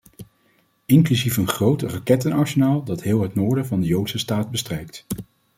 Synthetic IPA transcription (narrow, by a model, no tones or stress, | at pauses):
ɪŋklyzifənχrowtərɑkɛtənɑɹsənaːlˠdɑtɦɪːlˠɦətnoːɹdəvɑndəjowtsəstaːd̚bəstrɛjk̚t